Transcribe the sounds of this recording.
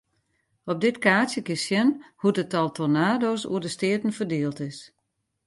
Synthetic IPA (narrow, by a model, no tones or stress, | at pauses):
ɔp̚dɪtkaːsjəkɪsjɛnhutətɔlˠtʰonaːdoːsṵədəstɪətn̩fərdɪːlˠtɪs